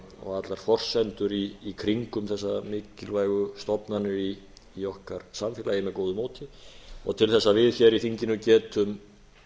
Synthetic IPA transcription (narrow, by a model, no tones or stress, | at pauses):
ɔ̰ɣat̪laɾ̥fɔr̥sɛnt̪ʏɾiːkʰɾiŋkʏmθɛsːamɪːcɪlvaːjɣʏst̪ɔpnanɪiː | ɔhkaɾ̥samfɪːlajɪmɛðkoːwðʏmoːwt̪ɪɔ̰ɣt̪ʰɪlθɛsːavɪðçɛɾiθiɲcɪnʏcɛːt̪ʏm